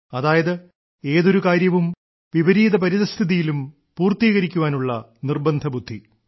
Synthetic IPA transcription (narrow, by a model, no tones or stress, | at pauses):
ɐðaːjɐðɨ | e̞ːðo̞ɾukaːɾjɐʋum | ʋiʋɐɾiːðɐpɐɾiðɐst̪ʰiðijilum | puːrt̪iːɣɐɾikʲːuʋaːnuɭːɐ | nirbɐnd̪ʱɐbud̪ʱːi